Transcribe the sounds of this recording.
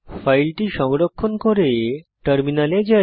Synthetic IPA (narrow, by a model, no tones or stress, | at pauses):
fʰajlʈiʃɔŋɡɾokʰːonkoɾeʈəɾminaled͡ʑa